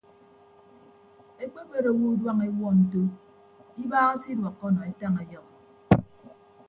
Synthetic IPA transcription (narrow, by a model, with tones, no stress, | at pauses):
e˦k͡pe˦k͡pe˦ɾo˨wu˦dwa˦ŋe˦wɔ˦n̩˨to˦ | i˦baː˦si˦dwɔ˨kːɔ˦nɔ˨e˦ta˦ŋe˨jɔ˦